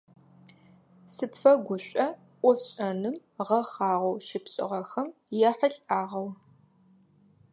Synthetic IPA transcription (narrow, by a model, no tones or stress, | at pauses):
sɨpfɐɡʷʊɕʷʼɐ | ʔʷɔɕʼɐnɨmʁɐχɑːʁʷowʃɪpɕʼɪ̰ʁɐxɐmjɛħəɬʼaːʁɐw